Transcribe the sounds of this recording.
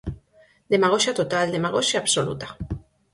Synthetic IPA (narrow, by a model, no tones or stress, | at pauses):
d̪emaɣoʃat̪ot̪ald̪emaɣ̞oʃaːβso̞lṵt̪ḁ